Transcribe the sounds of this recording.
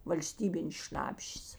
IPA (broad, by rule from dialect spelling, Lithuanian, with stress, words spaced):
ʋɐlʲˈsʲtʲiːbʲɪnʲeːs ˈʃnɑːpʲʃʲeːs